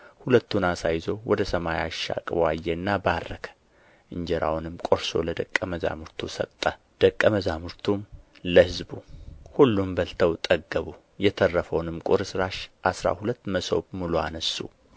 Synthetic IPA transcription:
hulət̪ːunasajzo̞wʔɔd̪əsəmajaʃːa̰kʼbajːɛɨnːabarːəkʰə̥ | ʔɨɲd͡ʒɛɾa̰wnɨmkʼoɾso̞̰ləd̪əkʼːəməza̰mɨɾt̪ʰusə̰t̪ʼːə | d̪̥əkʼːəməzamɨɾt̪ʰumləhɨzbuhulːumbəlt̪ʰəwt̪ʼəɡːəβu | jɛt̪ʰərːəfəwnɨmkʼʊɾɨsɨɾaʃʔasɾa̰hulət̪ːməso̞̰βmuluanəsːṵ

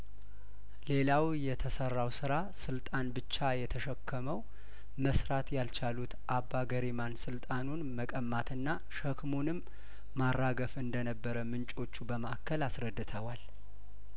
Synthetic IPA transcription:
le̞lawjɛt̪ʰəsərːawsɨɾa | sɨlt̪ʼanbɨt͡ʃːajɛt̪ʰəʃəkʰːəməw | məsɾat̪jalt͡ʃʰalut̪ʔabːaɡəɾemansɨlt̪ʼanunməkʼəmːat̪ʰɨnːa | ʃəkmonɨmː | arːaɡəfɨnd̪ənəbːəɾəmɨnt͡ʃʼo̞t͡ʃːubəməʔakʰːəlasɾəd̪ːɨt̪ʰəwal

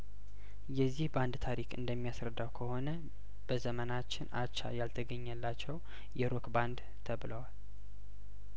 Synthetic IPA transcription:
jɛzːihband̪t̪ʰaɾikʰɨ̰nd̪əmːijasɾəd̪ːawkʰəho̞nə | b̥əzəmənat͡ʃːɪna̰t͡ʃːa̰jalt̪ʰəɡəɲːəlːat͡ʃːɛw | jɛɾokband̪ | t̪ʰəβləwal

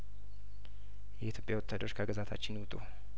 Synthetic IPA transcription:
jɛit̪jo̞pʼjawɔt̪ʰːad̪əɾot͡ʃːkʰaɡəzat̪ʰa̰t͡ʃːɪnwut̪ʼu

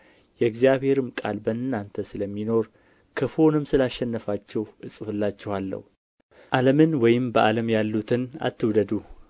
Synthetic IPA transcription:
jɛɡzijaβhe̞ɾɨmkʼa̰lbəɨnːant̪ʰəsɨləmːino̞ɾ | kʰəfo̞nɨmsɨlaʃːɛnːəfat͡ʃːɛwʔɨsʼɨfɨlːat͡ʃːɛwalːə̰hu | ʔaləmɨnwɔjɪmbəʔaləmjalːut̪ʰɨna̰t̪ːɨwd̪əd̪u

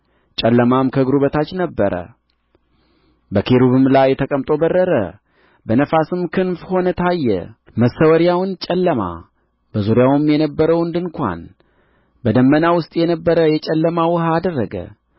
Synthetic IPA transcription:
t͡ʃʼɛlːəmamkʰəɡɾuβət̪ʰat͡ʃːnəbːəɾə̰ | bəkʰeɾuβɨmlajːɛt̪ʰəkʼəmt̪ʼo̞bərːəɾə̰ | bənəfasɨmkʰɨnfho̞nət̪ʰajːɛ̰ | məsəwəɾijawnt͡ʃʼɛlːəma̰ | b̥əzuɾjawɨmjɛnəbːəɾəwɨnd̪ɨnkʷa̰n | bəd̪əmːənawʊst̪ʼjɛnəbːəɾəjɛt͡ʃʼɛlːəmawʊhaːd̪ərːəɡə̰

